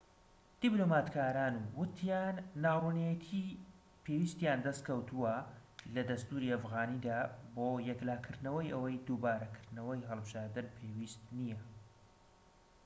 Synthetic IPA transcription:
d̪̥iblomaːt̪kʰaːɾaːnuwʊt̪ʰjaːnːaːrunjɛt̪ʰi | pʰewist̪jaːnd̪ɐst̪̚kʰɐwt̪ʰuwɐlɐd̪ɐst̪uːɾiɐfɣaːnid̪aːboːjɛklaːkʰɨɾd̪nɐwɐjʔɐwɐjd̪uːbaːɾɐkʰɨɾd̪nɐwɐjɦəlˠbɨʒaːɾd̪ɨnpʰewist̪nijɐ

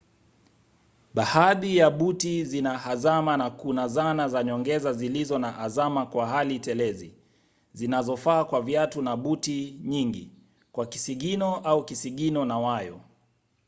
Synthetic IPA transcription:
ɓahaðijaɓutizinahazamanakunazanazaɲɔŋɡɛzazilizɔnaʔazamakwaɦalitɛlɛzi | zinazɔfaːkwavjatunaɓutiɲiŋɡḭ | kwakisiɠinɔʔaukisiɠinɔnawajɔ̰

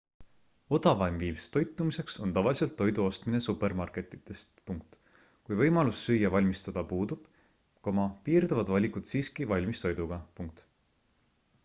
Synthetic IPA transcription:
o̞d̪ɑvɑjmviːmst̪o̞jt̪ːˑumise̞kso̞nt̪ɑvɑlʲise̞lt̪ːo̞jd̪uo̞st̪mine̞supˑe̞rmɑrke̞t̪ːˑit̪ːˑe̞st̪puŋk̚t̪ | kujvɤ̞jmɑlusːyjːɑvɑlʲmist̪ɑd̪̥ɑpuːd̪ub̥ | komɑpiːrd̪ɑvɑd̪vɑlʲikud̪̥siːskivɑlʲmist̪o̞jd̪uɡ̥ɑpuŋkt̪

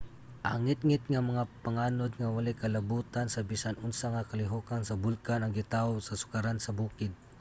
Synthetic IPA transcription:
ʔa̰ŋɪt̪̚ŋɪt̪ŋamɐŋapaŋaːnʊd̪̚ŋawalajkalabuːt̪ansabisanʊnsaŋakalɪɦukansabʊlkanɐŋɡɪt̪awsasʊ̥kaɾansɐbuːkɪd̪̚

